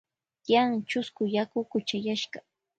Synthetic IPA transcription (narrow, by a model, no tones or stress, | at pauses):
jaŋt͡ʃʊskʊjakʊkʊt͡ʃajaʃɢɑ